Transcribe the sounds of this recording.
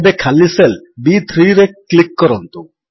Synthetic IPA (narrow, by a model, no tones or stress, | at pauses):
bekʰalːiselbit̪ʰɾiɾeklikːɔɾɔnt̪u